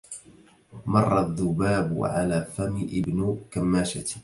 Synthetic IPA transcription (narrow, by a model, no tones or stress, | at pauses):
mɑrˤːɑðːʊbaːbʕa̰laːfamɪʔɪbnʊkamːaːʃa